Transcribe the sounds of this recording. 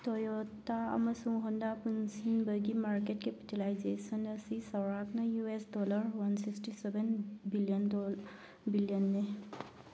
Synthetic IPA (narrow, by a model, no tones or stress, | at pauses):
t̪ɔjɔt̪aa̰məsuŋɦɔndapunsinbəɡimaɹketkepitilajzesɔnəsisawɹaknajuesdɔlaɹwansiksʈisɛbɛnbilijɔndɔ | bilijɔnːe